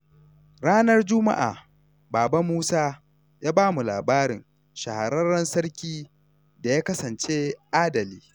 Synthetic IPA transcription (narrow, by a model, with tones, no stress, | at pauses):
ɽaː˦nɐ˦rd͡ʒʊ˦ma̰˦ʔa̰ː˨ | baː˨ba˦muː˦saː˦ | jaː˦baː˦mu˨laː˨baː˦ɾɪ̰˨ŋ | ʃa˨ha˨ɽɐ˦rɐ˦nsɐ˦ɽkʲiː˦ | da˨jaː˦kɐ˦sɐ˨nt͡ʃe˦ʔaː˦dɐ˨liː˦